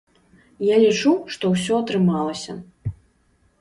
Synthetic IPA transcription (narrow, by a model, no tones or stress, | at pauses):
jalʲit͡ʂuʂt̪ɔwsʲɔɐt̪ɾɨmalˠɐsʲɐ